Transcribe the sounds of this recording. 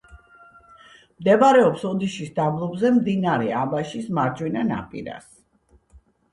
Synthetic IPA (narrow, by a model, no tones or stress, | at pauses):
md̪ɛbaɾɛɔpsɔd̪iʃisd̪ablˠɔbzɛmd̪inaɾɛabaʃismaɾd͡ʒʼwinana̰pʼḭɾa̰s